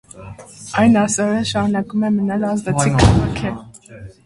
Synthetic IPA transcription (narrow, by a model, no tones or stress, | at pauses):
ɑjnɑsɔɾəʃɑɾunɑkumɛmənɑlɑzd̪ɛiɑʁɑkʰɛ